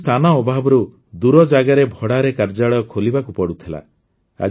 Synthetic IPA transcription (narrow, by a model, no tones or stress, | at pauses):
t̪ʰanaɔbʱabɔɾu | d̪uɾɔd͡ʒaɡaɾebʱɔɽaɾekaɾd͡ʒaɭɔjɔkʰolibakupɔɽut̪ʰila̰ | a̰